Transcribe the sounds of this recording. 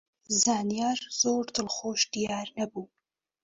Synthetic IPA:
zaːnijaːɾz̥oːɾd̪ɨlχoːʃd̪̥ijaːɾnɐbuː

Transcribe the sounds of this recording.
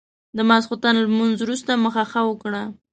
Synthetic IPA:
d̪əmasxʊt̪anlmunzwɾust̪aməxaxawəkɽa

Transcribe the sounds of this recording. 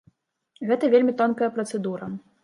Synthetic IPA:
ɣɛt̪ɐvʲelʲmʲit̪ɔnkɐjɐpɾɐt̪sɛd̪uɾɐ

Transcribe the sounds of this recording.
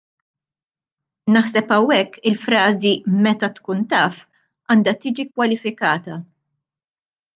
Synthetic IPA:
nɐħsɛpɐwːɛkːɪlfɾɐːzimɛt̪ɐt̪kuːnt̪ɐːf | ɐːnd̪ɐt̪iːd͡ʒikwɐlɪfɪkɐːt̪ɐ

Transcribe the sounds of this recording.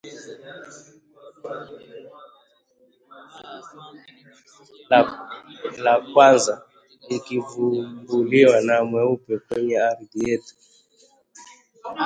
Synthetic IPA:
lakwanza | likivumbuliwanamwɛupɛkwɛɲɛaɾidietu̥

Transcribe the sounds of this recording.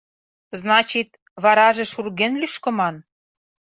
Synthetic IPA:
znɑt͡ɕit̪ | βɑɾɑʒeʃurɣenlyʃkɤ̆mɑn

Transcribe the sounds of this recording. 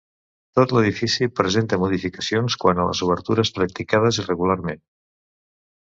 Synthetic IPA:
t̪ot̪ləð̞ifisipɾəzent̪əmuðifikəsionskwanələ̰zuβəɾt̪uɾəspɾək̚t̪ikað̞əzirəɣularmen

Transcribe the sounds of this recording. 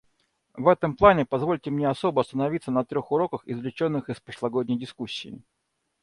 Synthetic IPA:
vɛt̪əmplˠanʲɪpɐzvo̞lʲtʲɪmnʲeɐso̞bəɐst̪ənɐvʲit̪sənɐt̪ɾʲo̞xʊɾo̞kəxɪzvlʲɪt͡ɕo̞nːɨxɪspɾəʂlˠɐɡodʲnʲɪjdʲɪskusʲːɪ̰ː

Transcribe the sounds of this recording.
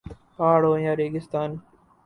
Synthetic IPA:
paːɽoːjãːɾeːɡɪst̪aːn

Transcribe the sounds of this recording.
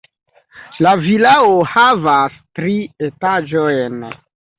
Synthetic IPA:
lavilaohavastɾietad͡ʒojn

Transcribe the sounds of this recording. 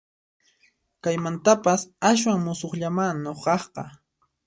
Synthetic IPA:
kajmant̪apasas̬waŋmʊsoχʎamaŋnoqɑχqɑ̰

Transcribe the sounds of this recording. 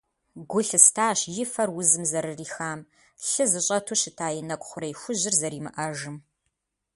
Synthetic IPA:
ɡʷʊɬɨstʰaːɕjɪfɐrwʊzɨmzɐɾɨriːxaːm | ɬɨzɨɕʼɐtʰuɕɪtʰaːjɪnɐkʷʼʊχʷʊɾɐjxʷʊʑɪrzɐɾiːmɨ̰ʔɐʒɨm

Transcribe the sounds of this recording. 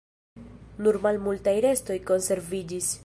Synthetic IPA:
nuɾmalmultajɾe̞sto̞jko̞nse̞ɾvid͡ʒis

